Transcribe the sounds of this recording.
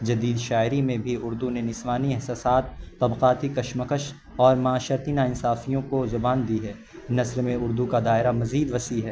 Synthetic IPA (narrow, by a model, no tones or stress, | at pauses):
d͡ʒɐd̪iːd̪ʃaːɪɾimẽbʱiʊɾd̪unenɪsʋaːniɛɦsaːsaːt̪ːɐbqaːt̪ikɐʃməkəʃ | ɔːɾmɐaːʃəɾt̪inaɪnsaːfijõkozʊbaːnd̪iɦɛː | nɐsɾmẽʊɾd̪ukad̪aːɪɾamɐziːd̪ʋɐsiɦɛː